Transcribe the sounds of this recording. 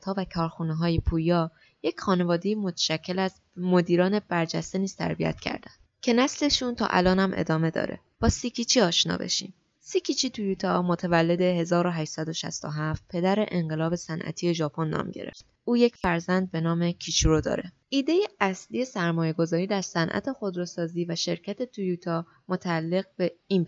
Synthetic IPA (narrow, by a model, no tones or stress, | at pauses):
t̪hɒːvækʰɒːɾxuneɦɒːjepʰuːjɒː | je̞cxɒːne̞vɒːd̪e̞jimo̞t̪ʰæ̥ʃæcʰːe̞læz | mo̞d̪iːɾɒːne̞b̥æɾd͡ʒæst̪e̞niːz̥t̪ʰæ̰ɾbiæ̰t̪ʰcʰæ̰ɾd̪̥ænd̪cʰe̞næsle̞ʃunt̪ʰɒ̰ːʔæ̰lɒːnæmʔe̞̰d̪ɒːme̞d̪ɒ̰ːɾḛb̥ɒːsicʰit͡ʃʰiːɒːʃnɒ̰ːbḛʃḭːm | sicʰit͡ʃʰiːt̪ʰujuːt̪ʰɒmot̪ʰævælːe̞d̪e̞ɦe̞zɒːɾoɦæʃsæd̪oʃæ̰st̪oɦæft̪̚pʰe̞d̪æɾe̞̰ʔeŋɢe̞lɒːbe̞sænʔæ̰t̪ʰije̞ʒɒːpʰo̞nːɒ̰ːmɟe̞̰ɾe̞̰ft̪ | uːje̞cʰfæɾzænd̪̚be̞nɒːme̞cʰit͡ʃʰuɾod̪ɒ̰ːɾe | ʔiːd̪e̞jeʔæsliːje̞sæɾmɒːje̞ɡo̞zɒːɾiːd̪æɾsænʔæ̰t̪ʰe̞xo̞d̪ɾosɒːziːvæʃe̞ɾcʰæt̪ʰe̞t̪ʰujut̪ʰɒː | mot̪ʰæːlːe̞ɣ̚be̞iːn